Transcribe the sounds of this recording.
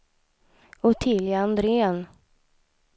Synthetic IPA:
ʊt̪ʰɪljaand̪ɾeːən

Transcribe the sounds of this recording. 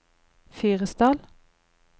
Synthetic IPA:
fiːʁəsd̪ɑːl

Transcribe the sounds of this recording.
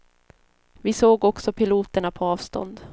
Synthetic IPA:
vɪsoːɡɔksɔpʰɪluːt̪əɳapʰɔɑːvst̪ɔ̰nd̪

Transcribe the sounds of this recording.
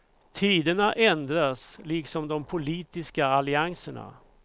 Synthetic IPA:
t̪ʰiːd̪əɳaʔɛnd̪ɾasliːksɔmd̪ɔmpʰʊliːt̪ɪskaalɪaŋsəɳa̰

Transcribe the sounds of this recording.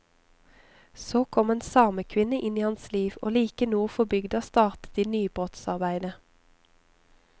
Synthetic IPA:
soːkʰɔmeːnsɑːməkʰʋɪnəʔɪniːhɑnsliːʋo̰ːliːkənuːəfɔbʏɡd̪ɑːst̪ɑːʁt̪ə̥t̪iːnyːb̥ʁɔt̪sɑʁbæɪd̪ə

